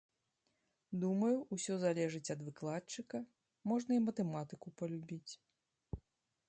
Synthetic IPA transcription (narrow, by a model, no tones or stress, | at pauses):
d̪umɐjuʔusʲɔzalʲɛʐɨt͡sʲɐd̪vɨklˠat͡ʂɨkɐ | mɔʐnɐimɐt̪ɛmat̪ɨkupɐlʲubʲit͡sʲ